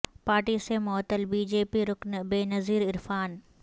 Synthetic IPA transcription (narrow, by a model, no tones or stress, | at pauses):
paːɾʈisemɔːt̪ːəlbiːd͡ʒeːpiɾʊknbeːnɐziːɾɪɾfaːn